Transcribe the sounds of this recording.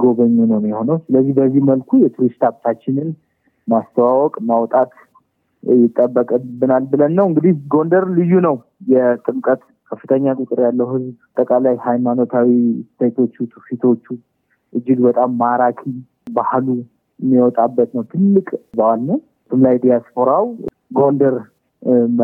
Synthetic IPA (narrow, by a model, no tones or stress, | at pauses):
ɡo̞βəɲːunəwmjɛho̞nəwsɨləzːihbəzːihməlkʰujɛt̪ʰuɾist̪ʰabt̪ʰat͡ʃːɪnɨn | mast̪ʰəwawɔkʼmawɔt̪ʼat̪ | jɪt̪ʼːəbːəkʼbɨnalbɨlənːəwɨŋɡɨd̪ihɡo̞nd̪əɾlɨjːunəw | jɛt̪ʼɨmkʼət̪ | kʰəfːɨt̪ʰəɲːakʼʊt̪ʼɨɾjalːəwhɨzbt̪ʼəkʼalajhajmano̞t̪ʰawisɨt̪ʰejt̪ʰo̞t͡ʃːut̪ʰufit̪ʰo̞t͡ʃːu | ʔɨd͡ʒːɪɡbət̪ʼamːaɾakʰi | bahlu | mːiwɔt̪ʼabːət̪nəwt̪ʰɨlːɨkʼbəwalnəw | sʰɨmlajd̪ijaspʰo̞ɾaw | ɡo̞nd̪əɾ